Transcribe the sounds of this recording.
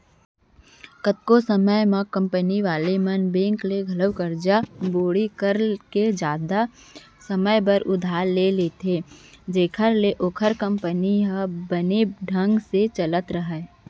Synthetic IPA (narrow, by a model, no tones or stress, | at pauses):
kət̪̚kosəməjmãkə̃mpəniʋaːlemənbẽːŋkleɡʱɐləwkəɾd͡ʒaboːɽikəɾked͡ʒaːd̪a | səməjbəɾʔʊd̪ʱaːɾleleːt̪ʰeːd͡ʒeːkʰəɾleʔoːkʰəɾkə̃mpəniɦbəneɖʱə̃ŋɡset͡ʃələt̪ɾəɦɛ